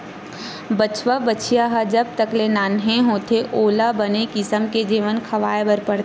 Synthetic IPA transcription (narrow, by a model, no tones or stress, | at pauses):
bət͡ʃʋabət͡ʃʰijaɦad͡ʒɐb̚t̪əklenaːnɦẽɦoːt̪ʰeʔoːlabɐnekɪsəmked͡ʒiːʋənkʰɐʋaːebəɾpəɽt̪